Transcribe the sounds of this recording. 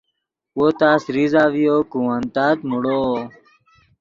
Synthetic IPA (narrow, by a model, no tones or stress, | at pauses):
woːt̪aːsɾizaːʋijoːkũant̪aːt̪muɽoː